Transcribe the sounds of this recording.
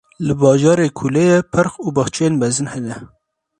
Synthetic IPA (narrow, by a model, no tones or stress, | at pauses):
lɨbɑːʒɑːɾeːkʰulɛjɛpʰɨɾxuːbɑxt͡ʃʰejeːnbɛzɨnhɛnɛ